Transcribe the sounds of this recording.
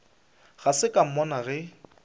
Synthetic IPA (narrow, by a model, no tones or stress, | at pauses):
ɣ̥asɪkʼam̩mɔnaɣɛ